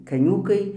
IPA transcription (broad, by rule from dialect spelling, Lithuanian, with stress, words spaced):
kɐˈnʲuːkɐɪ